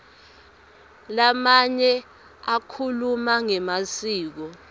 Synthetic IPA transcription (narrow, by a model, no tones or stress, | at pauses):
lamaɲɛ | akʰulumaŋɛmasiːk̬ɔ